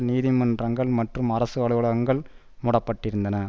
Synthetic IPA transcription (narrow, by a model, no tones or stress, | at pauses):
niːðɪmɐndrɐŋɡɐɭmɐʈrɯmɐɾɐsɯʋɐɭɯʋɐɭɐɐŋɡɐɭ | mʊɽɐpːɐʈːɪɾɯnd̪ɐnɐ